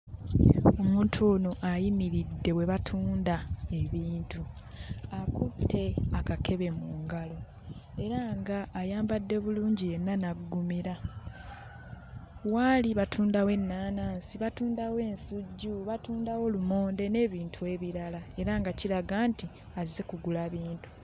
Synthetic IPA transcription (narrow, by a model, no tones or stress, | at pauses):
omuːntʰono̞ʔajimiɾidːe̞we̞βatʰuːndae̞βiːntuakutʰːe̞akakʰe̞βe̞muːŋɡalo̞ | e̞ɾaŋɡaːjaːmbadːe̞βuluːɲɟije̞nːanaɡumiɾa | waliβatʰuːndawe̞nːaːnaːnsiβatuːndawe̞ːnsuɟːuβatuːndawo̞lumo̞ːnde̞ne̞ːβiːntʰue̞βiɾalae̞ɾaŋɡaciɾaɡaːnti | aize̞kuɡulaβiːntu̥